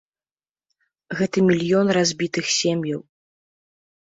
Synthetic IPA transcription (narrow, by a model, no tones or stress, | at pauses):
ɣɛt̪ɐmʲilʲjɔnrazʲbʲit̪ɨxsʲɛmʲjɐw